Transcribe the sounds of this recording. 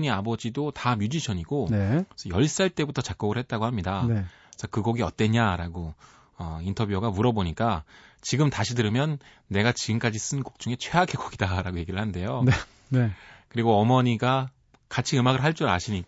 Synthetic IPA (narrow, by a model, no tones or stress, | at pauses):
ɲiabʌd͡ʑidotamjud͡ʑiɕʰʌɲiɡonesʰʌjʌɭs͈aɭt͈e̞butʰʌt͡ɕak͈̚oɡɯɭhe̞t̚t͈aɡohamɲidane | t͡ɕakɯɡoɡiʌt͈̚we̞ɲaɾaɡo | ʌintʰʌbjuoɡamuɾʌboɲik͈at͡ɕiɡɯmtaɕʰidɯɾɯmjʌnː | e̞ɡat͡ɕiɡɯmk͈ad͡ʑis͈ɯnkok̚t͡ɕ͈uŋe̞t͡ɕʰweaɡʰekoɡidaɾaɡoje̞ɡiɾɯɭhande̞jone | nekɯɾiɡoʌmʌɲiɡa | kat͡ɕʰiɯmaɡɯɭɦaɭt͡ɕ͈uɾa̰ɕʰiɲik